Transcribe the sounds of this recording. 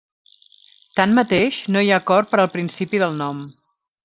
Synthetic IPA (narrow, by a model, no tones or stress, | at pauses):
t̪anmət̪eʃnojakɔrpəɾəlˠpɾinsipiðəlˠnɔm